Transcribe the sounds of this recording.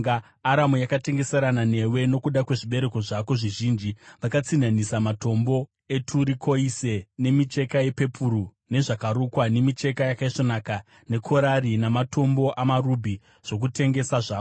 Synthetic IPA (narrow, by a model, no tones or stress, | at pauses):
aː | ɾamujakate̞ŋɡe̞se̞ɾanane̞we̞no̞kuɗakwe̞ʐiɓe̞ɾe̞ko̞ʐako̞ʐiʒiːnd͡ʒiʋakat͡sinanisamato̞mbo̞ | e̞tʰuɾikʰo̞ise̞ne̞mit͡ʃe̞kaje̞pe̞pʰuru | ne̞ʐakaɾukwane̞mit͡ʃe̞kajakaiʂonaka | ne̞kʰo̞ɾarinamato̞mbo̞ʔamarubʱi | ʐ̥o̞k̬ute̞ŋɡe̞saʐaːo